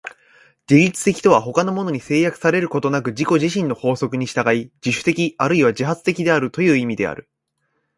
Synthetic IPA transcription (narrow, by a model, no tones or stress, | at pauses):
ɡʲiɾʲit͡sɨ̥t̪e̞kʲi̥t̪o̞βaɦo̞kano̞mo̞no̞ɲ̟ise̞ːjakɯ̟̥saɾe̞ɾɯ̟ko̞t̪o̞nakɯ̟ʑiko̞ʑiɕĩnːo̞ho̞ːso̞kɯ̟ɲ̟iɕi̥t̪aɡaid͡ʑiɕɨ̥t̪e̞kʲiaɾɯiβaʑiɦat͡sɨ̥t̪e̞kʲid̪e̞aɾɯ̟t̪o̞jɯ̟ːimʲid̪e̞̰a̰ɾɯ̟